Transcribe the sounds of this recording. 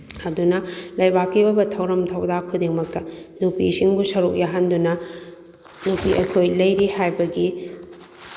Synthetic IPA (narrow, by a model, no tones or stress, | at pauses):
ɐdunɐlɐjbakːibɐbɐtʰɐwɾɐmtʰɐwdakʰudiŋmɐk̚tɐnupisiŋbusɐɾuk̚jaɦɐndunɐ | nupiʔɐ̰kʰojlɐjɾihajbɐɡi